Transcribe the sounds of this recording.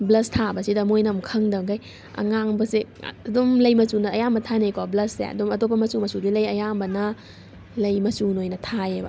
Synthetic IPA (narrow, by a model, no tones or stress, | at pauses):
blɐstʰabɐsidɐmojnɐmkʰɐŋdɐŋkaj | ɐ̰ŋaŋbɐsḭɐdumlɐjmɐsunɐːjambɐtʰanejkablɐsːḛɐ̰dumɐtopʰːɐmɐsumɐsudilɐjɐjambɐnɐ | lɐjmɐsunojnɐtʰajebɐ̰